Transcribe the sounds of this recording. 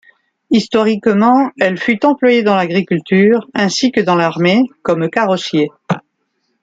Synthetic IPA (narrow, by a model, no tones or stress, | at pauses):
ist̪ɔʁikmɑ̃ɛlfyt̪ɑ̃plwajed̪ɑ̃laɡʁikʲylt̪yːʁɛ̃sikəd̪ɑ̃laʁmekɔmkaʁɔsje